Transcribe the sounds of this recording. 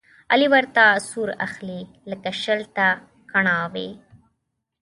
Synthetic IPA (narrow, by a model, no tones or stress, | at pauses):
aliwaɾt̪asuɾa̰xle | ləkaʃəlt̪a | kaɳɑwḛ